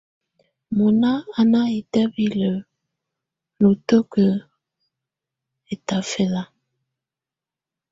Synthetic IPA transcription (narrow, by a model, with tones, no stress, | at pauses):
mo˨na˦a˨na˦i˨tɛ˦bi˦lə˨ | lo˨to˦kə˨ | e˨ta˨fe˨la˦